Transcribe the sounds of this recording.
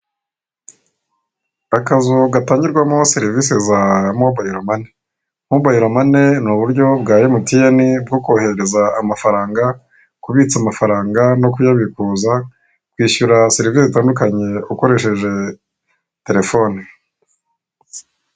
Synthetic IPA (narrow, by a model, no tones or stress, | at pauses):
akazuɡataːɲɟiɾɡwamoseɾivisezamobajiɾomane | muβajiɾomane̞nuβuɾɟo̞bɡaːɾimutijanib̚ɡokoːheɾe̞zaːmafaɾaːŋɡa | kuβit͡samafaɾaːŋɡano̞kujaβikuza | kwiːʃuɾaseɾiviːseitaːndukaɲe̞uko̞ɾe̞ʃe̞ʒe̞ | te̞ɾe̞fo̞ne